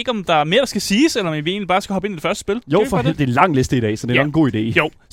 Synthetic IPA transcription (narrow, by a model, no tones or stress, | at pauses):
ɡ̥əɒ̽md̥ɑ̈æɐme̝ːɐɾ̥ɑ̈sɡ̥æsiːselɐɒmʋie̝̰ːnlib̥ɑːsɡ̥æɒ̽b̥e̝nid̥e̥fɶɐsd̥əsb̥e̝ljo̰fɒed̥e̝lɑ̈ŋ̰lesd̥əidɛ̰ːsɒ̽d̥e̝nɒɡn̩ɡo̝̰ːid̥e̝̰ːjoʊ̰